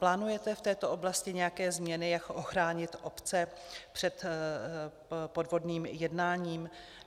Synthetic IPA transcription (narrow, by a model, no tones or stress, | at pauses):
plaːnujɛt̪ɛft̪ɛːt̪o̞ʔo̞blascɪɲɛjakɛːzmɲɛnɪjakʔo̞xɾaːɲɪt̪ʔo̞pt͡sɛpr̝̥ɛt̪ | po̞dvo̞dniːmjɛdnaːɲiːm